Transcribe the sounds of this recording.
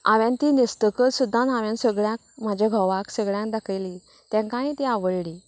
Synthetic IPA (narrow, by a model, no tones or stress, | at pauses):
aʋjãnt̪iːnist̪əkəsud̪ʱːãnaʋjãnsəɡɭjãk̚m̤ad͡ʑʱaɡʱɔʋaksəɡɭjãŋk̚d̪akʰəjli | t̪jãŋkãɦĩːt̪iaʋəɭliː